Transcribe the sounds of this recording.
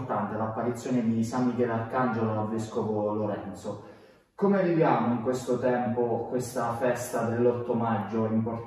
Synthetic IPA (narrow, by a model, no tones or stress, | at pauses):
rt̪ant̪elapːaɾit̪sːjoːned̪isamːikɛlalkand͡ʒoloalveskovoloɾɛnt̪so | komevivjaːmoiŋkwest̪ot̪ɛmpokwest̪afɛst̪ad̪elːɔt̪ːomad͡ʒːoimpor